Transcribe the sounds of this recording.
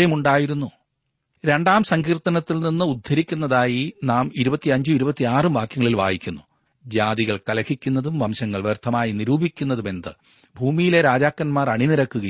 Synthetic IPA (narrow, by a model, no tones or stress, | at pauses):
ɐjumuɳɖaːjiɾunːu | ɾe̞ɳɖaːmsɐŋɡiːrt̪ːɐnɐt̪ːilninːɨud̪ʱːɐɾikʲːunːɐðaːjinaːmiɾubɐt̪ːiɐɲd͡ʑuiɾubɐt̪ːiaːrɨmʋaːkjɐŋɐɭilʋa̰ːjikʲːunːu | d͡ʑaːd̪iɣɐɭkɐlɐkʰikʲːunːɐðumʋɐmɕɐŋːɐɭʋert̪ʰːɐmaːjiniɾuːbʱikʲːunːɐðume̞nd̪ɨ | bʱuːmijile̞ɾaːd͡ʑaːkːɐnmaːrɐɳiniɾɐkːuɣɐ